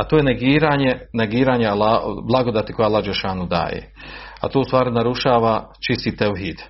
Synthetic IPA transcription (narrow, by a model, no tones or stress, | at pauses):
at̪oːjeneɡiːɾaːɲeneɡiːɾaɲealablˠaɡo̞d̪at̪ikojalˠːaːd͡ʒeʃaːnud̪a̰ːjḛa̰t̪oːust̪ʋaːɾinaɾuʃaːʋat͡ʃist̪it̪ewɦiːd̪̥